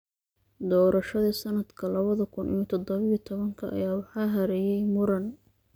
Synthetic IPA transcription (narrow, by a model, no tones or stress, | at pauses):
d̪ɔːɾɐʃɐðɐsɐnɐd̪̥kʰɐlɐβɐðɐkʰʊnʔḭjɔt̪ʰɔd̪ɔβɪit̪ʰɔβɐŋkʰɐʔːjaːwɑħɑːɦɐɾɛjɛjmʊɾɐn